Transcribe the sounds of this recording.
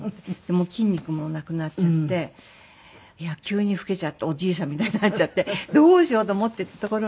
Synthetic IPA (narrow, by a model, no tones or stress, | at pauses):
d̪̥e̞moːkʲĩɲʲːikɯ̟mo̞nakɯ̟natt͡ɕat̪ːe̞ | iakʲɨːɲ̟iɸɯ̟̥ke̞t͡ɕat̪ːe̞o̞d͡ʑiːs̬ãmːʲit̪ainanat͡ɕt͡ɕat̪ːe̞d̪o̞ːɕio̞ːt̪o̞ːmot̪ːeit̪ːat̪o̞ko̞ɾo